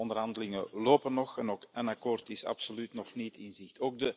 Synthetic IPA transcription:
ɔnd̪ərɦɑndəlɪŋəloːpənɔxɛnoːkənakoːrtɪsɑ̰psolytnɔxnitɪnzɪxtoːɡ̚də

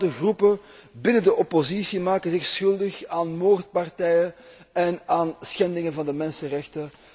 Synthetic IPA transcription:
dəɣrupəbɪnəndəʔɔpozisimaːkənzɪxsxɵlˠdəxaːnmoːrt̚pɑrtɛjə | ɛnaːnsxɛndɪŋənvɑndəmɛnsənrɛxtə

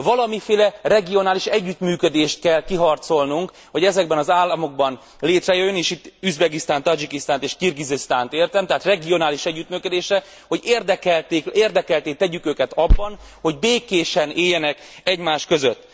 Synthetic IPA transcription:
vɒlɒmifeːlɛrɛɡio̞naːliʃɛɟːyt̪myːkød̪eːʃt̪̚kɛlkiɦɒrt̪so̞lnuŋk | ho̞ɟɛzɛɡ̚bɛnɒzaːlːɒmo̞ɡ̚bɒn | leːt̪rɛjøjːøneːʃit̪ːyzbɛɡist̪aːnt̪ɒd͡ʒikist̪aːnt̪eːʃkirɡizist̪aːnt̪eːrt̪ɛmt̪ɛɦːt̪rɛɡio̞naːliʃɛɟːyt̪mykød̪eːʃrɛ | ho̞ɟeːrd̪ɛkɛlt̪eːkeːrd̪ɛkɛlt̪eːt̪ːɛɟykøːkɛt̪ɒbːɒn | ho̞ɟbeːkeːʃɛneːjːɛnɛk | ɛɟmaːʃkø̞zøt̪ː

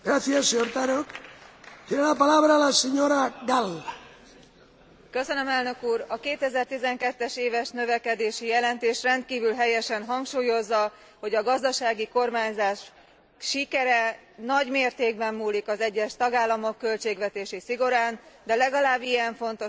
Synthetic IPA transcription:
ɡ̥ɾaθiasoɾt̪aɾok | t̪jeɾɛlapalaβɾalaseɲoɾaɡalːa | kø̞sø̞nø̞mɛlnø̞kuːrɒkeːt̪ɛzɛrt̪izɛŋkɛt̪ːɛʃeːvɛʃnø̞vɛkɛd̪eːʃijɛlɛnt̪eːʃrɛnt̪̚kiːvylɦɛjɛʃɛnɦɒŋkʃuːjo̞zːɒ | ho̞ɟɒɡɒzd̪ɒʃaːɡiko̞rmaːɲzaːʃ | ʃikɛɾɛnɒɟmeːrt̪eːɡ̚bɛmːuːlikɒzɛɟːɛʃt̪ɒɡaːlːɒmo̞kːø̞lt͡ʃeːɡʋɛt̪eːʃisiɡo̞ɾaːnd̪ɛlɛɡɒlaːbːijɛɱfo̞nt̪o

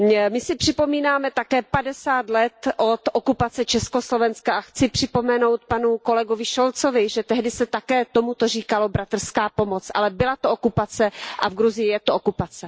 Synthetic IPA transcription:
mɪsɪpr̝̥ɪpo̞miːnaːmɛt̪akɛːpadɛsaːt̪lɛt̪ʔo̞t̪ʔokupat͡sɛt͡ʃɛsko̞slo̞vɛnskaʔaxt͡sɪpr̝̥ɪpo̞mɛno̞wt̪̚panuko̞lɛɡovɪʃolt͡sovɪʒɛt̪ɛɦdɪsɛt̪akɛːt̪omut̪or̝iːkalo̞bɾat̪r̩skaːpomo̞t͡sʔa̰lɛbɪlat̪oʔokupat͡sɛʔavɡɾuzɪjɪjɛt̪ookupat͡sɛ

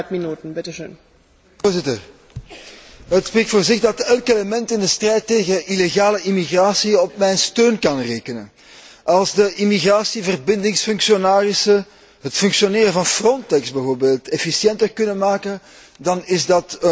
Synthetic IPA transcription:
minuːtən̩bɪtəʃø̰ːn | oːrzɪtər | ətspreːk̚tfoːrzɪɣdɑtɛlˠkeləmɛntɪndəstrɛjtːeːɣəʔileɣaːləʔimiɣraːsiɔp̚mɛjnstøːnkɑnreːkənə̰n | ʔɑlˠzdəʔimiɣraːsivərbɪndɪŋsfʏŋksionaːrɪsə | ɦətfʏŋksjoneːɾəvɑnfrɔntɛkzbɛvoːrbeːlˠtɛfisjɛntərkɵnənmaːkən | dɑnɪzdɑt

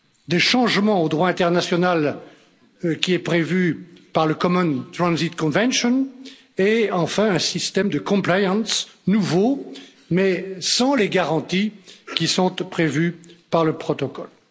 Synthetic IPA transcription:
d̪eʃɑ̃ʒmɑ̃od̪ʁwaɛ̃t̪ɛʁnasjɔnal | kʲiɛpχevypaʁləkɔmɔnt̪χɑ̃nzit̪kɔ̃vɛ̃nʃɔn | eɑ̃fɛ̃ɛ̃sist̪ɛmd̪əkɔ̃plajɑ̃snuvo | mɛsɑ̃leɡaʁɑ̃t̪ikʲisɔ̃t̪pχevypaʁləpχɔt̪ɔkɔl

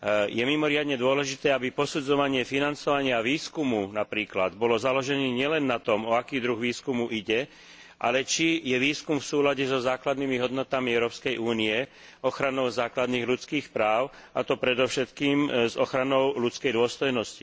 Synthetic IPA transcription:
jɛmimɔɾɪad̪ɲɛd̪ʊɔlɛʒit̪ɛːabipɔsud͡zɔʋaɲɪɛfinant͡sɔʋaɲɪaʋiːskumunapɾiːklad̪bɔlɔzalɔʒɛniːɲɪɛlɛnːat̪ɔmɔakiːd̪ɾuɣʋiːskumuʔiɟɛ | ʔa̰lɛt͡ʃijɛʋiːskumfsuːlaɟɛzɔzaːklad̪nimiɦɔd̪nɔt̪amiɛʊɾɔːpskɛjʔuːniɛ | ɔxɾanɔʊzaːklad̪niːɣlut͡skiːxpɾaːʊ | at̪ɔpɾɛd̪ɔfʃɛt̪kiːmzɔ̰xɾanɔʊlut͡skɛjd̪ʊɔst̪ɔjnɔsci

